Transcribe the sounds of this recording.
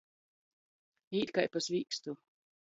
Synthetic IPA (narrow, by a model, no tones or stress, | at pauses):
iːt̪kajpasvʲiːkst̪u